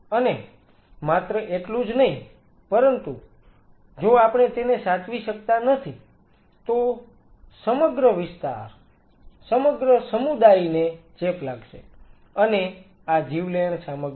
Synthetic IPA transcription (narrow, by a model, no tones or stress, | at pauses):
əne | mat̪ɾəʔeʈlũd͡ʒnəɦĩ | pəɾənt̪u | d͡ʒoapɳ̃et̪enesat̪ʰʋiʃəkt̪anət̪ʰi | t̪o | səməɡɾəʋɪst̪a̰ɾ | səməɡɾəsəmud̪ainet͡ʃeplaɡʃḛ | əne | ad͡ʒiʋləəɳsaməɡ